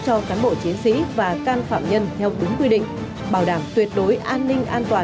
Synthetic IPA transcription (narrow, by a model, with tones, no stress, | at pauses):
t͡ɕɔ˧kaː˨˦nɓo̰˧˩t͡ɕi˨˦ənsḭ˧˥vaː˨˩kaː˧nfa̰ː˧˨mɲə˧nt̪ʰɛ˧wt̪ɨ˨˦ŋkwi˧ɗḭ̈˧˨ŋ̟ | ɓaː˧˩wɗaː˧˩mt̪wi˨˩ət̚ɗo˨˦jʔaː˧nːï˧ŋ̟ʔaː˧nt̪waː˨˩